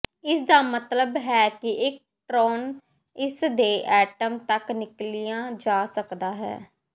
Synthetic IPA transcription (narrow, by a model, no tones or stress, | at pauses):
ɪsd̪aːmət̪ləbɦɛːkɪʔɪk̚ | ʈɾoːn | ɪsd̪eːʔɛːʈəmt̪əknɪklijãːd͡ʒaːsəkd̪aːɦɛ̰ː